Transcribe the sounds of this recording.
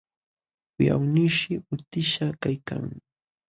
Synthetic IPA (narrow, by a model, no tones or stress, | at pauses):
ʊja̰wnɪʃɪʊt̪ɪʃakajka̰ŋ